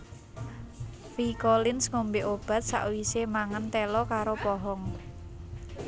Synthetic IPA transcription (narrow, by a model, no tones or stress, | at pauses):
fikolɪnsŋombeʔob̥ä̤t̪̚sa̰ʔwisemaŋənt̪ɛlɔkaɾopɔɦɔŋ